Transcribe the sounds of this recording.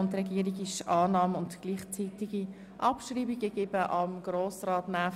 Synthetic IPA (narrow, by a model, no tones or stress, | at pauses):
ʊntɾɛɡiːəɾiɡɪʃɑːnɑːmʊntɡ̥liːχt͡sitiɡ̥i | ʔɑpʃriːbiɡ̥əɡ̥eːb̥əʔɑmɡɾoːsrɑːtnæː